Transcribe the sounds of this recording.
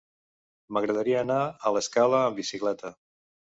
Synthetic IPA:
məɣɾəðəɾiəːnaələskaləːmbisiklɛt̪ə

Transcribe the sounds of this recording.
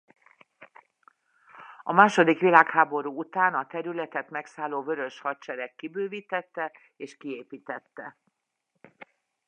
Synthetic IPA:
ɒmaːʃo̞d̪ikʋilaːkhaːbo̞ɾuːut̪aːnɒt̪ɛɾylɛt̪ɛt̪mɛksaːloːvøɾø̞ʃhɒtt͡ʃɛɾɛkːibøːviːt̪ɛt̪ːɛ | eːʃkieːpiːt̪ɛt̪ːɛ

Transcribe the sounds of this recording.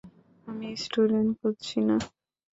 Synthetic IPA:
amisʈuɖeɳʈ̚koɾt͡ɕʰina

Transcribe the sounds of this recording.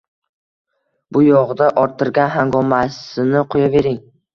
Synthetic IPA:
bʊjɒʁd̪aʔɒɾt̪ʰɪɾɡʲanɦaŋɡɒmasɪnɪqʰojave̞ɾɪŋ

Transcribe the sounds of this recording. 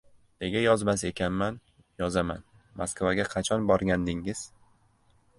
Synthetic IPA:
ne̞ɡʲajɒzmas̬e̞kʲanman | jɒzama̰n | mʔa̰skvaɡʲaqʰɑt͡ʃʰɒnbɒɾɡʲand̪ɪŋɪz̥

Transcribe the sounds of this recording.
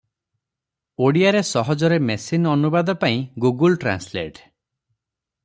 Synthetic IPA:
oɽiaɾesɔɦɔd͡ʒɔɾemesinɔnubad̪ɔpaĩɡuɡulʈɾa̰nslḛʈ

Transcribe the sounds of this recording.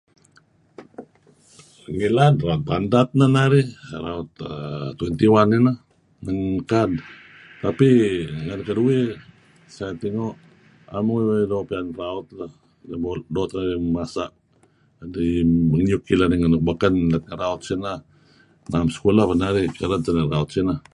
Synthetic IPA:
ŋiladraɔt̪̚bandat̪̚nanaɾiɾaɔt̪t̪wɛnt̪iwanina | nəŋkad | t̪apiŋaɾikadui | sajat̪iŋoʔ | a̰muŋiwadopianraɔt̪̚la | dabodot̪naimasa̰ʔ | dibəŋjukilaniŋanuk̚bakanlat̪̚ŋaɾaɔt̪̚sina | namsə̥kulapanaɾikaɾantanaraɔt̪̚sina

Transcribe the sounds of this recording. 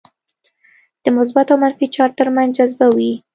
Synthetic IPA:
d̪̥əmʊsbat̪awmanfit͡ʃɑɾt̪əɾmanzd͡ʒazbawi

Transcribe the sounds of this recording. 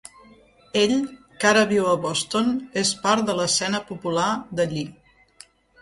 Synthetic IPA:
eʎ | kaɾəβiwəβɔst̪onespaɾt̪d̪ələsɛnəpupulaðəʎi

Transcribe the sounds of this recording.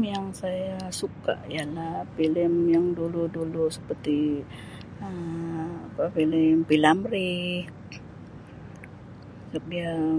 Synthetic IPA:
jaŋsajasuka̰ʔialahfilɪmjaŋduludulusə̥pərt̪i | əmapafilɪmpilamɾi | sabia

